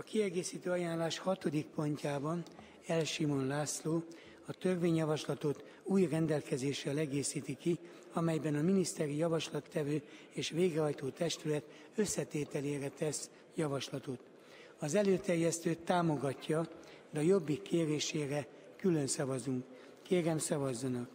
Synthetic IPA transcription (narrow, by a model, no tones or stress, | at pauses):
ɒkiɛɡeːsiːt̪øːɒjaːnlaːʃhɒt̪o̞d̪ik̚po̞ɲcaːbɒn | ɛlʃimo̞nlaːsloː | ɒt̪ø̞rveːɲjɒvɒʃlɒt̪o̞t̪ | uːjrɛnd̪ɛlkɛzeːʃɛlɛɡeːsiːt̪iki | ɒmɛjbɛnɒminist̪ɛɾijɒvɒʃlɒt̪ːɛvøː | eːʃʋeːɡrɛɦɒjt̪oːt̪ɛʃt̪ylɛt̪ | ø̞sːɛt̪eːt̪ɛleːrɛt̪ɛs | jɒvɒʃlɒt̪o̞t̪ | ɒzɛløːt̪ɛrjɛst̪øːt̪ːaːmo̞ɡɒcːɒ | d̪ɛɒjo̞bːikːeːreːʃeːrɛ | kylønsɒvɒzuŋkː | eːɾɛmsɒvɒzːɒnɒk